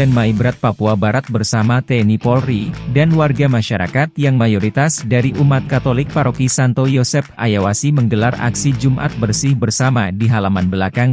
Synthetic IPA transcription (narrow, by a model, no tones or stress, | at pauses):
ɛnmaibɾat̪̚papuabaɾat̪̚bərsamat̪ɛnipɔlridanwarɡamaʃaɾa̰kat̪̚jaŋmajoɾit̪asdaɾiʔumat̪̚kat̪olɪk̚paɾokisant̪ojɔsɛpa̰jawasiməŋɡəlara̰ksid͡ʒumʔa̰t̪̚bərsɪhbərsamadiɦalamanbəlakaŋ